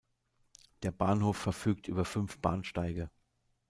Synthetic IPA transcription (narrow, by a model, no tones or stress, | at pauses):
d̥eːɐbaːnhoːfːɛɐfyːk̚tʔy̰ːbɐfʏnfb̥a̰ːnʃtaɪɡə